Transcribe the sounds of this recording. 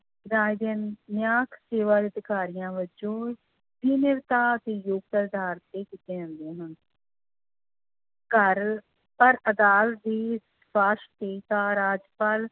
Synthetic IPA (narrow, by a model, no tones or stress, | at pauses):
ɡɾaːid̪ɪnːjaːkʰseːʋaːɾɪd̪ɪkaːɾijãːʋəd͡ʒõː | bʱiːnɪɾt̪aːət̪eːjʊɡ̚t̪əɾd̪aːɾt̪ːeːkit̪eːə̃nd̪ẽːɦən | kəɾ | pəɾəd̪aːld̪iːs | paːʃt̪eːk̪ãːɾaːd͡ʒpaːl